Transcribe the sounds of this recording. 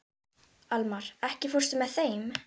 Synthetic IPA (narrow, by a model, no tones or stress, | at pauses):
almaɾɛhcɪfur̥sɪmɛðθejm